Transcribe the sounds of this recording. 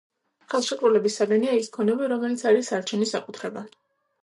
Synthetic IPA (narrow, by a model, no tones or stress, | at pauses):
χɛlˠʃɛkʼɾulɛbisːaɡaniaiskʰɔnɛbiɾɔmɛlit̪sʰaɾisaɾt͡ʃʰɛnisakʼut̪ʰɾɛba